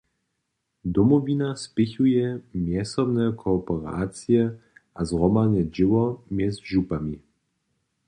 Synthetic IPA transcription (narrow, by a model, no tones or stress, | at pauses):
d̪ɔmɔvʲinaspɪçujɛmjɛsɔbnɛkʰɔpɛɾa̰ːt͡sjɛʔazʁɔmalɲɛd͡ʑɪwɔmjɛzʒupami